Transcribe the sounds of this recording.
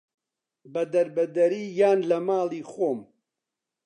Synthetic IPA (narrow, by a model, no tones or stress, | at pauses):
bɐd̪ɐɾbɐd̪ɐɾiːjaːnlɐmaːliːxoːm